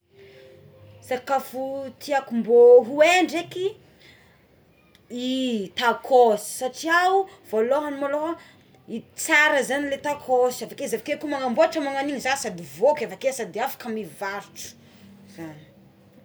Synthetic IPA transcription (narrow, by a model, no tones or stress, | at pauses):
sakafut̪ʰiakumboɦueɳɖ͡ʐeki | it̪akʰosi̥saʈ͡ʂiawuv̥oloɦanimaloɦa | it͡saɾəzanilet̪akʰosiavakezavakekumaŋamboaʈ͡ʂəmaŋaniɲizasad̪ivokʲavakesad̪iafḁkamivaɾuʈ͡ʂu̥ | z̥an